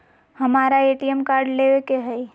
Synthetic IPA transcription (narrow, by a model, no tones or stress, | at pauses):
hɐmaːɾaeːʈiɛmkaːɾɖleʋekeɦɛi